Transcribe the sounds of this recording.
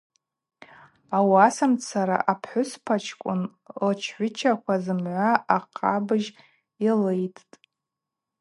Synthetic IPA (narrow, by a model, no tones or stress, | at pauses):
awasamt͡sʰaɾa̰ʔapʰħʷʊspʰat͡ʃʰkʷʼʊ̰n | lt͡ʃʰħʷʊt͡ʃʰakʷazɨmʕʷaʔaqʰʼabɨʒ | alejtʰʼtʼ